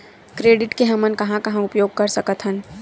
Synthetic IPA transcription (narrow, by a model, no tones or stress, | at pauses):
kɾeːɖɪʈkeɦɐmənkɐɦãkɐɦãʊpjoːɡ̚kɐɾsɐkət̪ɦən